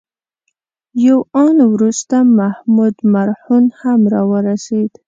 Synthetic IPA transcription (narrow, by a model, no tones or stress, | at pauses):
jawɑnwɾust̪amahmud̪maɾhunhamɾɑwəɾased̪